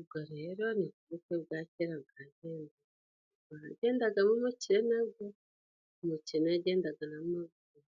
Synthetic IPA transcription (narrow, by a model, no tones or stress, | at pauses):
ubɡoɾe̞ːɾo̞nikuβukeβɡaːceɾabɡaːɟeːnda | βaaɟe̞ːndaɡamumuciɾenaɡo | umucieneaɟe̞ːndaɡanamaɡ | o